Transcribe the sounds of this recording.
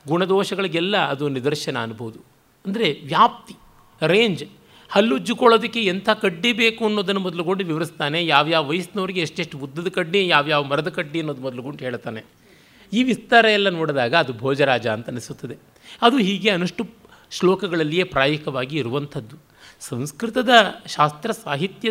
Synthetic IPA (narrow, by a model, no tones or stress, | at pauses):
ɡuɳɐd̪ɔːʃɐɡɐɭiɡɛlːɐːd̪unid̪ɐɾʃɐnɐːnubɐʋud̪u | ɐnd̪ɐɾe̞ʋjaːp̚t̪i̥ | ɾe̞ːɲd͡ʒ | hɐlːud͡ʒːukɔɭoːd̪ɐkːeent̪ʰɐkɐɖːibe̞ːkuɐnːoːd̪ɐnːumɔd̪ɐluɡoɳɖuʋiʋɐɾist̪aːne̞jaːʋjaːʋɐʋɐjɐsnɐʋɐɾiɡeeʂʈeʂʈuud̪ːɐd̪ɐkɐɖːijaːʋjaːʋɐmɐɾɐd̪ɐkɐɖːiɐnːoːd̪umɔd̪ɐluɡoɳɖɦeːɭt̪aːne̞ | iːʋist̪aːɾɐjɛlːɐnoːɽd̪aːɡɐːd̪ubʱɔːd͡ʒɐɾaːd͡ʒɐːnt̪ɐnisut̪ːɐd̪e | ɐd̪uɦiːɡe̞ɐnuʂʈu | ʃlɔːkɐɡɐɭɐlːije̞ːpɾaːjɐkʰɐʋaːɡiːɾuʋɐnt̪ʰɐd̪ːu | sɐ̃w̃skɾit̪ɐd̪ɐʃaːst̪ɾɐsaːɦit̪jɐ